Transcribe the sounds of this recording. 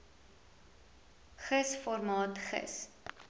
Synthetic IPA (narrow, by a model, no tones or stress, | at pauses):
χəsfɔrmɑːtχə̰s